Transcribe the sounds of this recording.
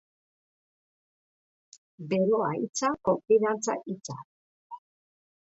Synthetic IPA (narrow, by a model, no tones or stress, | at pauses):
be̞ɾoait͡sako̞ɱfiðant͡sa̰ʔit͡sa̰